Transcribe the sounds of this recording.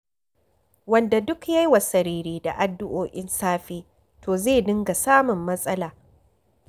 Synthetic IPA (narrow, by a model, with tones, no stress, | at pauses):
wɐ˨nda˨dʊ˦kja˦jwa˨sɐ˨ɾiː˦ɾiː˦da˨ʔa˨dːʊ˦ʔoː˨ʔɪ˦nsaː˦ɸiː˦ | tʰoː˨zeː˦˨dɪ˦ŋɡa˨saː˦mʊ˨mːɐ˦sʼɐ˦laː˨